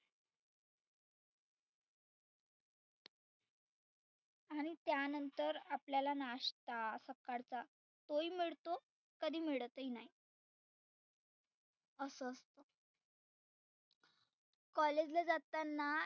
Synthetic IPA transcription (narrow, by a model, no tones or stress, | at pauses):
aɽ̃it̪janənt̪əɾapljalanaʂt̪asəkːaɾt͡sa | t̪oimiɭt̪o | kəd̪ʱiːmiɭt̪inai | əsəəst̪o | kɔled͡ʑləd͡zat̪anːa